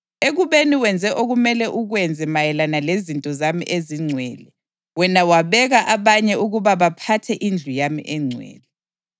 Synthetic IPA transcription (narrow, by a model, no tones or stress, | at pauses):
eɣuβeniwɛnd͡zʱɛʔoɣumɛlɛʔuɣwɛnd͡zʱɛmajɛlanalezintʼɔzamḭʔeziŋ͡ǀʱwɛːlɛ | wɛnawaβɛɣaʔaβaɲɛʔuɣuβaβapʰatʰɛʔind͡ɮʱujamḭʔɛŋ͡ǀʱwɛ̰ːlɛ